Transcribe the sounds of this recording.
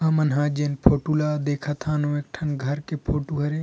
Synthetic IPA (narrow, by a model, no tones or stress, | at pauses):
aːmɐnɦãːd͡ʒenpʰoːʈulad̪eːkʰat̪ʰãːnõːeːk̚ʈʰɐnɡʱɐɾkepʰoːʈuɦɐɾe